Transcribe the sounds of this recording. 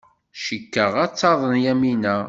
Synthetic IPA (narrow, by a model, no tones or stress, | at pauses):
ʃəkːəʁæt͡sːɑðˤənjæminæ